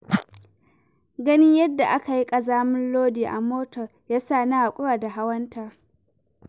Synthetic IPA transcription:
ɡɐ˦nɪ˦ɲjɐ˦dːa˨ʔa˦ka˨ji˦kʼɐ˨zaː˦mɪ˦nloː˦diː˨ʔa˨moː˦tɔ˨rjaː˦saː˦˨na˦ha˨kʷʼʊ˦ɽaː˨da˨ɦa˦wɐ˦ntaː˨

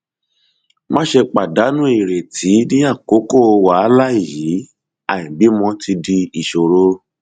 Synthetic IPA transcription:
mã˦ʃe˧k͡pa˨da˨˦nũ˦i˦˨ɾe˨tʰi˨˦nĩ˦a˦˨ko˨˦ko˦˧wa˨˦la˦i˦˨ji˨˦ | a˨ĩ˨bi˨˦mɔ̃˧tʰi˧di˧i˨ʃo˨ɾo˦

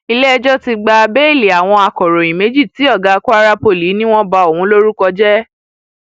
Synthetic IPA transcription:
i˧lɛ˦ɛ˧d͡ʒɔ˦ti˧ɡ͡ba˧bɛ˦˨le˨a˨w̃ɔ̃˧a˧kɔ˨ɾɔ̃˨ĩ˨me˨˦d͡ʒi˦˨ti˨˦ɔ˦˨ɡa˧ku˦a˦ɾa˦po˧˨li˨˦nĩ˦w̃ɔ̃˦ba˧o˨hũ˨˦lo˦ɾu˦kɔ˧d͡ʒɛ˦

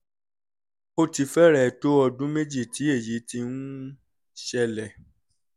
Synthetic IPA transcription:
o˧ti˨˧fɛ˦ɾɛ˦˨to˦ɔ˧dũ˦me˦d͡ʒi˦˨ti˨˦e˦˨ji˨˦ti˧nũ˦ | ʃɛ˧lɛ˨

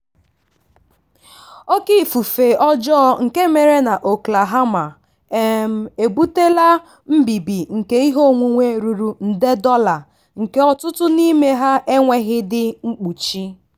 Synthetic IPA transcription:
o˦ki˦˨fu˨fe˨ɔ˦d͡ʒɔ˦ŋ̩˨ke˦me˨ɾe˦na˨ʔo˨kla˨ɦa˦ma˨ | e˨m̩˨e˨bu˦te˦la˦ | m̩˦bi˨bi˨ŋ̩˨ke˦i˦ɦo˦˨ŋʷu˨ŋʷe˦ɾu˨ɾu˨n̩˨de˦dɔ˦la˨ | ŋ̩˨ke˦ɔ˦tʊ˦tʊ˦ni˦me˦ɦa˦ʔe˦ŋʷe˦ɣɪ˦dɪ˦ŋ͡m̩˦k͡pu˨t͡ʃi˦

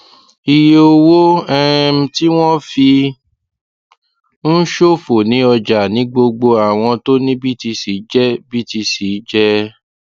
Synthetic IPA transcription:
i˨je˨o˧wo˦ɛ˦m̩˦ti˦w̃ɔ̃˦fi˧ | n̩˦ʃo˦fo˨nĩ˨˦ɔ˧d͡ʒa˨nĩ˨˦ɡ͡bo˧ɡ͡bo˧a˨w̃ɔ̃˧to˦nĩ˦bi˦ti˧si˨˦d͡ʒɛ˦bi˦ti˧si˨˦d͡ʒɛ˦

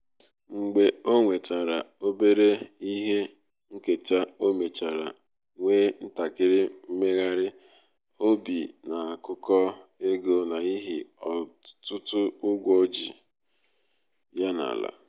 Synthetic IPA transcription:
ŋ͡m̩˨ɡ͡be˨o˦ŋʷe˨ta˨ɾa˨o˦be˦ɾe˦i˦ɦe˦ | ŋ̩˦ke˨ta˦o˦me˨t͡ʃa˨ɾa̰˨ | ŋʷeː˦n̩˦ta˨kɪ˦ɾɪ˦m̩˦me˦ɣa˦ɾɪ˦ | o˦bi˨na˨a˨kʊ˦kɔ˦e˦ɡo˦na˨i˦ɦi˨ɔ˨tʊ˦tʊ˦ʊ˦ɡʷɔ˦d͡ʒḭ˨ | ja˦na̰˨la̰˨

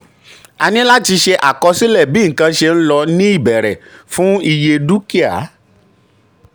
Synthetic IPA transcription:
a˧nĩ˦la˦ti˧ʃe˧ʔa̰˨kɔ˧si˦lɛ˦˨bi˨˦ŋ̩˨kã˧ʃe˧n̩˦lɔ˧nĩ˦i˦˨bɛ˨ɾɛ̰˨fũ˦i˧je˧du˦ki˦a̰˨˦

